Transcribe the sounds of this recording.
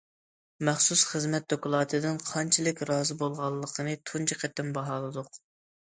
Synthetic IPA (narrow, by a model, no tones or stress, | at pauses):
mæχsusχəzmɛt̪̚d̪okʊlˠɑːt̪ʰɨd̪ɪnqʰɑnt͡ʃʰilˠɪkʲɾɑːzɨbolˠʁɑlˠːəqʰənɨt̪ʰunt͡ʃʰiqʰɛt̪ːɪnbɑɦɑːlˠɨd̪ʊq